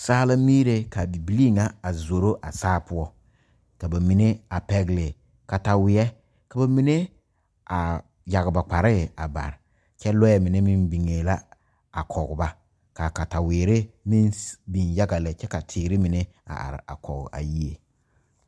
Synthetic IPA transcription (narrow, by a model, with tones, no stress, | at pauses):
saː˦la˦miː˦ɾe˦ka˨bi˨bi˨li˦˨ŋa˦a˨zo˨ɾo˦ʔa̰˨saː˦pʊ˦ɔ˦ | ka˨ba˨mi˨ne˦a˨pɛ˦ɡlɪ˨ | ka˨ta˨wɪ˨ɛ˦ | ka˨ba˨mi˨ne˦ | a˨ | ja˨ɡba˨k͡pa˨ɾɪ˦˨a̰˨ba̰˨ɾ | t͡ʃɛ˦lɔ˦ɛ˦mɪ˨ne˦mi˦nbi˨ŋe˨la˦ | a˨kʰɔ˨ɡba˦ | ka˨ka˨ta˨wɪː˨ɾɪ˦mi˦nbi˨nja˦ɡa˨lɛ˨t͡ʃɛ˦ka˨tʰɪː˨ɾɪ˦mi˨ne˦ | a̰˨ʔa̰˨ɾɪ̰˨a̰˨kɔ˨ɡ̰a̰˨ji˦e˨